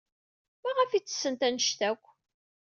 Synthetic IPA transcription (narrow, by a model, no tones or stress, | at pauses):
mæʁəfit͡sːə̥sːənt̪ænʃθækʷː